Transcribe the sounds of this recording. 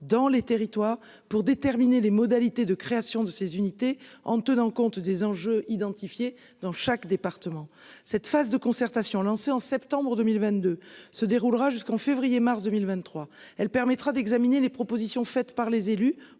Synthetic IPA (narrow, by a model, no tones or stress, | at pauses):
d̪ɑ̃let̪eʁit̪waʁ | puʁd̪et̪ɛʁminelemɔd̪alit̪ed̪əkχeasjɔ̃d̪əsezynit̪eɑ̃t̪ənɑ̃kɔ̃t̪d̪ezɑ̃ʒøʔid̪ɑ̃t̪ifje | d̪ɑ̃ʃakd̪epaʁt̪əmɑ̃ | sɛt̪fazd̪əkɔ̃sɛʁt̪asjɔ̃lɑ̃seɑ̃sɛpt̪ɑ̃bʁəd̪əmilvɛ̃t̪̚d̪øsəd̪eʁulʁaʒyskɑ̃fevʁijemaʁsd̪əmilvɛ̃nːχwaɛlpɛʁmɛt̪χad̪ɛɡzaminelepχɔpozisjɔ̃fɛt̪paʁlezely